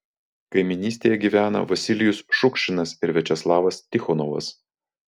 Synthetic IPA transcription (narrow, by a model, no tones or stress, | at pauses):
kɐɪmʲɪnʲiːsʲt̪ʲeːjɛɡʲiːʋʲæːnɐ̰ʋɐsʲɪlʲɪjʊsʃʊkʃʲɪnɐsɪɾʋʲɛt͡ʃʲɛslˠɑːʋɐst̪ʲɪxɔnɔʋɐ̰s